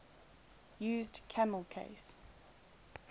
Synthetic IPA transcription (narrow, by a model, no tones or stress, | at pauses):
jʉːzdkʰaməlˠkʰḛɪs